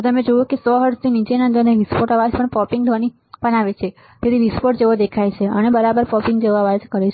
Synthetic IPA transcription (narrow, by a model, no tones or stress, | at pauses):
t̪əmẽd͡ʒojukesɔɦəɽst̪ʰinit͡ʃenənd̪əɾneʋispoʈaʋad͡ʒpəɳpɔpiŋɡd̪ʱʋani | pənaʋet͡ʃʰe | t̪et̪iʋispoʈd͡ʒeʋod̪ekʰajt͡ʃʰeə̰nebəɾabəɾpɔpĩŋɡd͡ʒeʋoaʋad͡ʒkəɾet͡ʃʰ